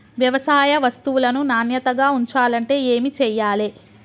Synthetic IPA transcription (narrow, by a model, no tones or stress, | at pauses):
ʋjɐʋɐsaːjɐʋɐst̪uʋulɐnunaːnjɐt̪ɐɡaːuɲt͡ʃaːlɐɳʈe̞ːeːmit͡ʃɛːjːaːle